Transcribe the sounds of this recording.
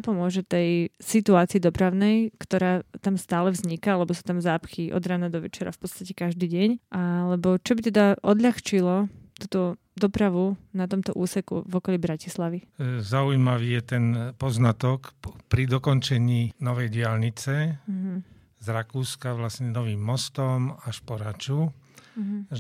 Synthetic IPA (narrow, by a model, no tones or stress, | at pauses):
apɔmʊɔʒɛt̪ɛjsit̪uaːt͡siːd̪ɔpɾaʊnɛjkt̪ɔɾaːt̪amst̪aːlɛvzɲikaalɛbɔsuːt̪amzaːpxiʔɔ̰d̪ɾaːnad̪ɔʋɛt͡ʃɛɾa̰fpɔt̪t͡sst̪acɛkaʒd̪iːɟɛɲʔalɛbɔt͡ʃɔbit̪ɛd̪aʔɔd̪ʎaxt͡ʃilɔt̪uːt̪ɔ | d̪ɔpɾaʋunat̪ɔmt̪ɔʔuːsɛkṵvɔkɔlibɾacislaʋizaujimaʋiːjɛt̪ɛnpɔznat̪ɔkpɾid̪ɔkɔnt͡ʃɛɲiːnɔʋɛjɟɪalɲit͡sɛɦ̩ | zɾakuːskaʋlasɲɛnɔʋiːmːɔst̪ɔmaʃpɔɾat͡ʃu